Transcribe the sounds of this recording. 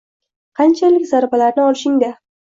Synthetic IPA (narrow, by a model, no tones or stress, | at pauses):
qʰɑnt͡ʃʰalɪkʲzaɾbalaɾnɪɒlɪʃɪŋd̪a